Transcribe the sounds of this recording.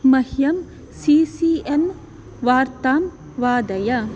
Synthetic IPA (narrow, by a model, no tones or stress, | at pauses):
mɐhjɐm | siːsien | ʋaːɾt̪aːm | ʋaːd̪ɐjɐ